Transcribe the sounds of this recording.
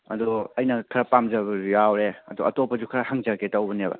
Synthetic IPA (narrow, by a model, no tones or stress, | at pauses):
ɐ̰d̪uɐjnɐkʰɐɾɐpamd͡ʒɐbɐujawɾeɐ̰d̪uʔɐtopɐd͡ʒukʰɐɾɐhaŋd͡ʒɐketɐwbɐnebɐ̰